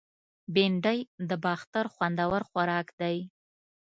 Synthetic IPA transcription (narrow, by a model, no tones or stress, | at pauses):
beɳɖajd̪əbɑxt̪aɾxwand̪awaɾxwaɾɑkd̪aj